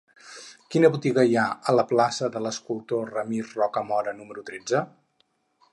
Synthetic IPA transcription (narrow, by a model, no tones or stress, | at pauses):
kinəβut̪iɣəiaələplasəðələskulˠt̪orəmirrɔkəmɔɾənuməɾut̪ɾed͡zə